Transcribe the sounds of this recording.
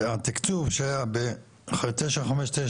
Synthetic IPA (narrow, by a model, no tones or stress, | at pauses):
at̪ikt͡suvʃeajabe | t̪eʃaχameʃt̪e